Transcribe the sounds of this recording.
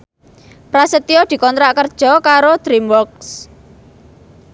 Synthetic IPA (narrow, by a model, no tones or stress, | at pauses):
pɾasət̪iod̪̥i̤kɔnt̪ɾaʔkərd̥ʒ̥ɔ̤kaɾod̪̥ɾimwɔks